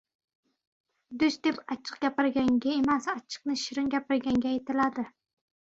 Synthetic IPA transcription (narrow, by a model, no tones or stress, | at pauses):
d̪ɵsd̪epɑt͡ʃʰːɨ̥qɡʲapɪɾɡʲaŋɡʲaemasɑt͡ʃʰːɨ̥q̚nɪʃɪɾɪŋɡʲapɪɾɡʲaŋɡʲajt̪ɪlad̪ɪ